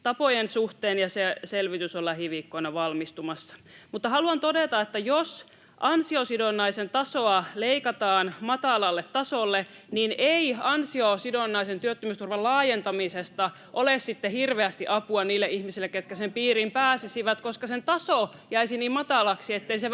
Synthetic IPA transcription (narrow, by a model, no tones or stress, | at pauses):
t̪ɑpojensuht̪eːnjɑseselʋit̪ysolːɑhiʋikːoinɑʋɑlmist̪umɑsːɑ̥mut̪ːɑhɑluɑnt̪odet̪ɑet̪ːæjos | ʔɑnsiosidonːɑisent̪ɑsoɑleikɑt̪ɑːnmɑt̪ɑlɑlːet̪ːɑsolːe | nineiɑnsiosidonːɑisent̪yøt̪ːømyst̪urʋɑlɑːjent̪ɑmisest̪ɑ | ʔolessit̪ːehirʋeæst̪iʔɑpuɑniːlːeʔihmisilːeket̪kæsempiːrimpæːsisiʋæt̪koskɑsent̪ɑso | jæisiniːmmɑt̪ɑlɑksiet̪ːeise